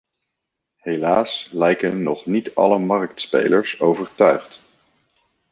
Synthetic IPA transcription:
helaːslɛjkənːɔχnitɑ̰ləmɑrk̚tspḛjləɹsowvəɹtœɥχt

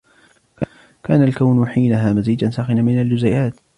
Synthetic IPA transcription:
ka | kaːnalkawnħiːnaɦaːmaziːd͡ʒansaːxɪnanmɪnald͡ʒʊzajaːt̪

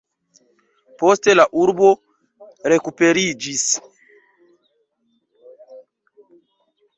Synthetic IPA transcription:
postelaʔuɾbo | ɾekupeɾid͡ʒis

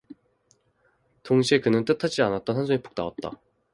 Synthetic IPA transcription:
toŋɕʰiekɯnɯnt͈ɯtʰad͡ʑianat̚t͈ʌnɦand͡ʑʰoŋep͈ʰo̥k̚naat̚t͈a̰

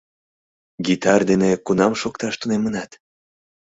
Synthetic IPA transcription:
ɡit̪ɑrd̪enekunɑmʃokt̪ɑʃt̪unemənɑt̪

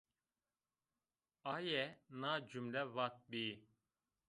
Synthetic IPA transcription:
ajɛnad͡ʒymlɛvat̪̚bi

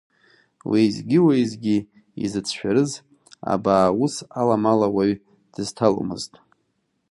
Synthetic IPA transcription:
wijzɡʲiwajzɡʲi | ḭzɨt͡sʰʃᶣaɾɨz | a̰baːusalamalawaɥ | d̥ɨztʰal̰mɨ̰ztʼ

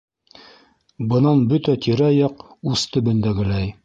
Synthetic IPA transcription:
bɤ̆nɑnbɵt̪æt̪iɾæjɑqust̪ɵ̆bɵ̆nd̪æɡɘ̆læj

